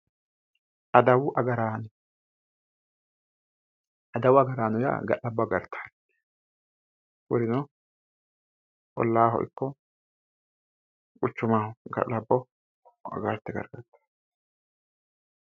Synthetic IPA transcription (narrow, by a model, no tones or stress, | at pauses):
ʔɐd̪ɐwʊʔɐɡɐɾaːnʊ | ɐd̪ɐwʊɐɡɐɾaːnʊja̰ːɡɐ̰ʔɐbːɔɡɐɾt̪ʰːḁː | wɔɾɪnɔ | ʔʼɔ̰lːaːɦɔ̰ʔɪkːɔ | kʼʊt͡ʃːʊmaːɡɐ̰ʔɐbːɔ | ɐ̰ɡɐɾt̪ːɛɡɐ̰ɾɡɐt̪ːḁ